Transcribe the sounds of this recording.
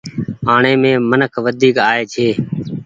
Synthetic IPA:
aːɳeːmẽːmənəkʰʋəd̪ʱiːkaːeːt͡ʃʰeː

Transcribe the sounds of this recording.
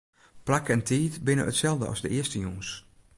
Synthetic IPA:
plakɛntʰiːtbɪnə̰ə̰tsɛlˠvdə̰ɑ̰zdəʔɪəstəjoŋs

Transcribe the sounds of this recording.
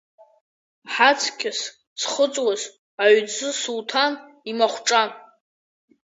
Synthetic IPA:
ħat͡sʰkʲʼɪs | t͡sʰχət͡sʼwaz | aɥzɨsultʰan | imaχʷʈ͡ʂʼan

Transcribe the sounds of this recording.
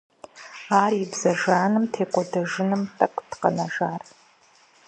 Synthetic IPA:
aːribzɐʒaːnɨmtʰeːkʷʼɔdɐʒɨnɨmtʼɐkʷʼtqɐ̰nɐʒaːr

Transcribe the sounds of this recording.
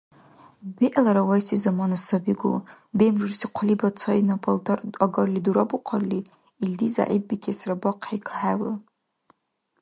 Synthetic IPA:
biʔalaɾawajsizamanasabiɡo̰ | bemʐɨrsiqʷʰalibat͡sʰanaaltʰaaɡarliduɾabuqʰarli | ildiza̰ʕib̚ːikʰesrabaqʰħekʰaħawla

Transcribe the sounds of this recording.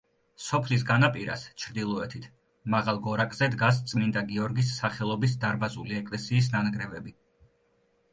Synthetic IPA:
sɔpʰlis̬ɡanapʼiɾa̰st͡ʃʰɾd̪ilˠɔɛt̪ʰit̪ʰ | maʁalˠɡɔɾakʼz̥ɛd̪ɡas̬t̪sʼmind̪aɡiɔɾɡisːaχɛlˠɔbisd̪aɾbazuliɛkʼlɛsiːsnanɡɾɛvɛbi

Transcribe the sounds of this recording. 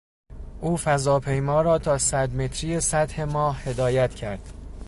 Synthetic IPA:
ʔuːfæzɒːpʰe̞jmɒːɾɒːt̪ʰɒːsæd̪me̞t̪ʰɾiːjesæt̪he̞mɒːhhe̞d̪ɒːjæt̪ʰcʰæɾd̪̥

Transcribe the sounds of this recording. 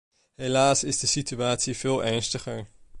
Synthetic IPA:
ɦelaːsɪzdəsityaːtsiv̥ɪːlˠʔɛɹnstəχəɹ

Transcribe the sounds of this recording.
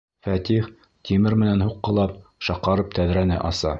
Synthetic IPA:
fæt̪iχ | t̪ʰimɘɾmɘ̆nænhuqːɤ̆lˠɑp̚ʃɑqːɑɾɤp̚t̪ʰæðɾænɘʔɑsɑ

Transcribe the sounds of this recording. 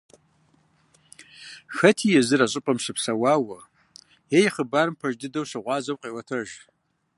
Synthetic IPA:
xɐtʰijɛzɨɾaɕʼɪpʼɐmʂɨpsɐwaːwɐ | jejχəbarɨmpʰɐʒdɨdɐwɕɨʁʷɑːzɐwqʼiwɐtʰɐʒ

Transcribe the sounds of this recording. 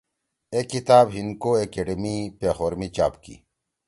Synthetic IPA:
ekit̪aːbɦinkoekeɖemipeːxoːɾmit͡ɕa̰ːpkḭ

